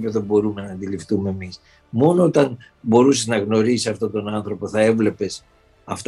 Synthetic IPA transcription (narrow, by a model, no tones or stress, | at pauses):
peðobo̞ɾume̞nɐːnd̪ilift̪ume̞ːmis | mo̞noot̪ɐn | bo̞ɾuseznɐɣno̞ɾisisɐft̪o̞t̪o̞nɐnθɾo̞po̞θɐe̞vle̞pe̞s | ɐft̪